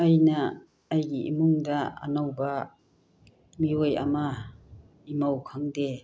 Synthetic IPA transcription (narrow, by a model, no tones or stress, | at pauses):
ajnaː | jɡiʔḭmuŋdaa̰nawba | mioja̰ma | imawkʰaŋde